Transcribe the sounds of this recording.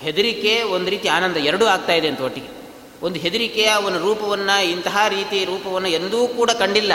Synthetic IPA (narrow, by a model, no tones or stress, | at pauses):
he̞d̪uɾike̞ond̪uɾiːt̪iaːnɐnd̪ɐɛɾɐɽuaːɡ̚t̪aːjid̪eɐnt̪ɐʋoʈːiɡe | ond̪uɦe̞d̪uɾikɛjɐʋɐnːɐuɾuːpɐʋɐnːɐint̪ɐɦaːɾiːt̪iɾuːpɐʋɐnːuend̪uʋuːkuːɽɐkɐɳɖilːɐ